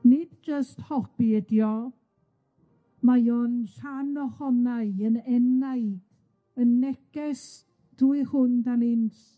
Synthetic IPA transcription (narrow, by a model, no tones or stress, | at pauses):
nɪd̚d͡ʒəsthɔb̥iɛdjɔ | majɔnɬanɔhɔnaɨənɛnaɨd̥ | ənːɛɡ̥ɛs | d̥uɨhʊndanɪnɬ